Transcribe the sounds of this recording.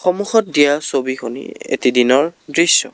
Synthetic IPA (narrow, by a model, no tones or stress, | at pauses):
xɔmuxɔt̚dijasobixunḭḛtidinɔɹdɹisɔ̰